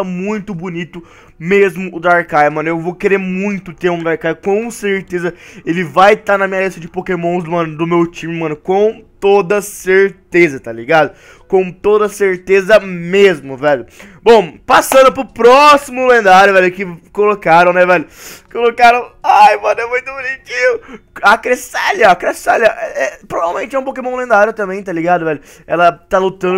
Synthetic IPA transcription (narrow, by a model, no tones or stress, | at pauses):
ɐmũj̃t̪ʊbʊnit̪ʊ | mezmʊːd̪aɾkajmɐ̃nʊewvowkeɾeɾmũj̃t̪ʊt̪eɾũd̪aɾkajkõw̃seɾt̪ezɐelɪvajt̪aɾnɐmĩɲɐlist̪ɐd͡ʒɪpokemõzd̪ʊmɐ̃nʊd̪ʊmewt͡ʃĩmɪmɐ̃nʊkõt̪od̪ɐseɾt̪ezɐt̪aliɡad̪ʊ | kõw̃t̪od̪ɐseɾt̪ezɐmezmʊvɛʎʊbõw̃pasɐ̃nd̪ʊpɾʊpɾɔsimʊlẽnd̪aɾjʊvɛlʊkɪkolokaɾɐ̃w̃nɛvɛlʊkolokaɾɐ̃w̃ajmɐ̃nʊɛmũj̃t̪ʊbunit͡ʃĩɲʊakɾesaʎɐkɾesaʎɐʔɛɛpɾovavewmẽnt͡ʃɪɛũpokemõw̃lẽnd̪aɾjʊt̪ɐ̃mbẽj̃t̪aliɡad̪ʊvɛlʊ | ɛ̰lɐt̪alut̪ɐ̃nd̪ʊ